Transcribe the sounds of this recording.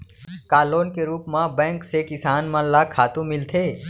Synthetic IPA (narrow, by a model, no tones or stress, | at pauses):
kaːloːnkeɾuːpmãbɛ̃ːŋksekɪsaːnmãlakʰaːt̪ũmɪlt̪ʰeː